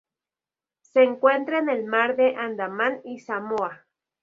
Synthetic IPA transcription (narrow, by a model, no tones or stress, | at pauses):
seːŋkwent̪ɾaenelmaɾðeʔand̪amanisamoa